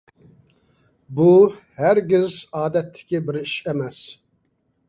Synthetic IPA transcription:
buhæɾɡʲɪzɑːd̪ɛt̪ʰːɪ̥kʲibɪɾiʃɛmɛs

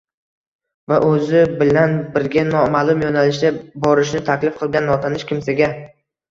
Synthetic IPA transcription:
vaʔɵzɪbɪlanbɪɾɡʲanɒmaːlˠʊmjɒnalɪʃd̪ʲabɒɾɪʃnɪt̪ʰakʲlɪfqʰɨlˠɡʲanːɒt̪ʰanɪʃkʲɪmsaɡʲa

